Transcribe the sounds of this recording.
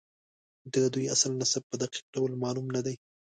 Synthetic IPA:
d̪ad̪ujaslnasab̚pəd̪aqi̥q̚ɖawəlmɑlumnad̪aj

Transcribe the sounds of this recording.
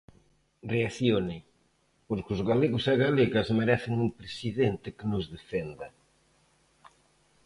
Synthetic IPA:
reaθjonɪ | poɾkɪʊzɣaleɣʊsaɣaleɣɐzmeɾɛθɪŋumpɾesiðent̪ɪkɪnʊzðefend̪ɐ

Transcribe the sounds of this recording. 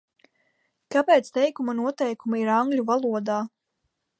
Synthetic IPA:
kapeːt̪st̪ɛjkumanuɔt̪ɛjkumaiɾaŋɡlʲuvalˠuɔd̪aː

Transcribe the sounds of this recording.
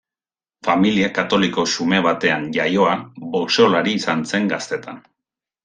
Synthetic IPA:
familiakat̪o̞liko̞sume̞β̞at̪e̞anʎajo̞aboseolaɾiːsanse̞ŋɡast̪e̞t̪ʰan

